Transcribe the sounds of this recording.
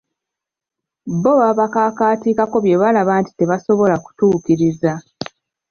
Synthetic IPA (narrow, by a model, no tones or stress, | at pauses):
boβaβakaːkaːtiːkako̞βje̞βalaβaːnti̥te̞βaso̞βo̞laku̥tuːkiɾiza